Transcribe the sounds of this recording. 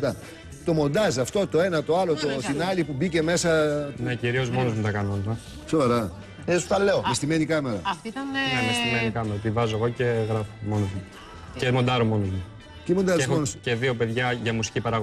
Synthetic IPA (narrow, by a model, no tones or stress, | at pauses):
t̪ɐ | t̪o̞mo̞nd̪ɐzɐft̪o̞t̪o̞e̞nɐt̪o̞ɐlo̞t̪ot̪inɐlipubice̞me̞sɐnneciɾio̞zmo̞nomut̪ɐkɐnonθɐ | sovɐɾɐ | esu̥t̪ɐleomest̪imenikɐme̞ɾɐ̰ɐfnemest̪imenikɐmeɾɐt̪ivɐzoeɣo̞ceɣɾɐfo̥mo̞nozmu | cemond̪ɐɾomo̞nozmu | t̪imo̞nd̪ɐzoonosce̞ðio̞pe̞ðʝɐʝɐmusi̥cipɐɾɐɣo